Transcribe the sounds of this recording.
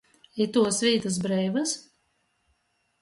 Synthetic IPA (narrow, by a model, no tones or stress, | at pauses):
it̪uɔsvʲiːt̪ɨs̬bɾɛjvas